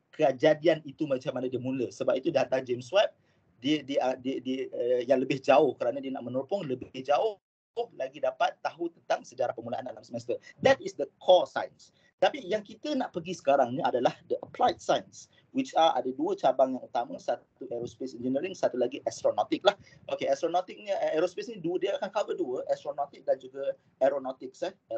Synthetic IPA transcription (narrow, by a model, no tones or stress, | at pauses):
kʰəd͡ʒadianit̪umat͡ʃamːanadiəmũləsəbap̚it̪udiɦant̪ad͡ʒemswap̚ | diədiəadiədiəjaŋləbɪhd͡ʒaʊhkəɾanãdiəna̰ʔmənɔrpɔŋləbhd͡ʒaʊ | hlaɡidapat̪ːaɦut̪ənt̪aŋsəd͡ʒaɾahpəmulaʔandalamsəmɛst̪əd̪ɛt̪isdəkʰɔsa̰jns | t̪apijaŋkit̪ənaʔpəɡisə̥kaɾaŋnĩadalahdəʔəpʰlajt̪̚sajns | wit͡ʃaʔa̰dəduət͡ʃabaŋjaŋut̪amə̃sat̪uʔɛɾospesɛnd͡ʒənəɾiŋsat̪ulaɡiʔɛst̪ɾonot̪ɪk̚lahʔokeɛst̪ɾonot̪ɪk̚niɛɾospesnĩdudiəakankavəduəʔɛst̪ɾonot̪ɪk̚dand͡ʒuɡə | ɛɾonot̪ɪk̚sɛ